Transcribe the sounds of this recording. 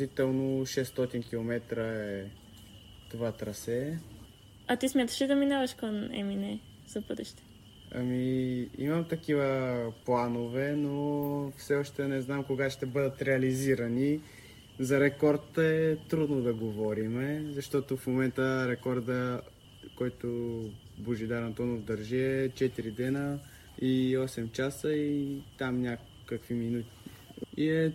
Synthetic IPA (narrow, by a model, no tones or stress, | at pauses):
it̪ɛlˠnoʃɛst̪ɔt̪inkilˠomɛt̪ɾəɛ | t̪ovat̪ɾɐsɛ | ɐt̪ismʲjat̪ə̥ʃid̪ɐminavɐʃkonɛ̰minɛ | z̥ɐpəd̪ɛʃt̪ɛ̥ | ɐ̰miḭmɐmt̪ɐkivəplˠanovɛnofsɛɔʃt̪ɛnɛznamkoɡaʃt̪ɛbɤd̪ət̪ɾɛɐliziɾɐni | zɐɾɛkɔɾt̪ɛt̪ɾud̪nod̪ɐɡovɔɾimɛzɐʃt̪ɔt̪ofmomɛnt̪əɾɛkɔɾd̪ə | kɔjt̪oboʒid̪aɾɐnt̪ɔnofd̪ɐɾʒiɛt͡ʃɛt̪iɾid̪ɛnə | iɔsɛmt͡ʃasəit̪amnʲa | kːəkviminut̪i̥iɛ